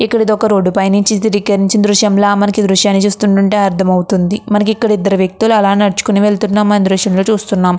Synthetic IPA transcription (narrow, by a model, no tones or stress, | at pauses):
ikːɐɽid̪ɔkɐɾo̞ːɖːupɐjniɲt͡ʃit̪iɾikːɐɾiɲt͡ʃind̪ɾuʂjɐmloːmɐnɐkid̪ɾuʂjaːnːit͡ʃuːst̪uɳʈuɳʈeːɐɾt̪ʰɐmɐwut̪und̪imɐnɐk̬ikːɐɽid̪ːɐɾuʋjɐk̚t̪uluɐlaːnnɐɽut͡ʃu̥kuniʋe̞ɭt̪unːaːmɐnid̪ɾuʂjɐmloːt͡ʃuːst̪unːaːm